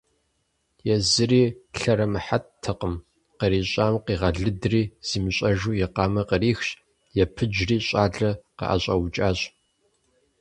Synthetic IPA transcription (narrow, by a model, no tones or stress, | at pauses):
jɛzɨriːɬɐɾɐmɨħattʰːɐqʼəm | qəɾiːɕʼaːmqiːʁɐɮɨdriːz̥iːmɨɕʼɐʒuːjɛqɑːmɐqəɾiːxɕ | jɛpʰɨd͡ʒriːɕʼaːɮɐqə̰ʔa̰ɕʼɐwʊt͡ʃʼaːɕʼ